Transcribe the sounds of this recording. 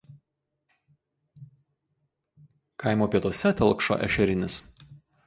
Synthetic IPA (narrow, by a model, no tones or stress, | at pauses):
kɑˑɪmoːpʲiɛt̪ɔsʲɛt̪ʲɛlˠkʃo̰ʔɛ̰ʃʲɛɾʲɪnʲɪs